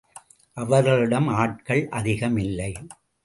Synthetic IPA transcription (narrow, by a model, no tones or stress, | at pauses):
ʔɐʋɐɾɣɐɭɪɽɐmaːʈ̚kɐɭʔɐðɪɣɐmɪlːɐɪ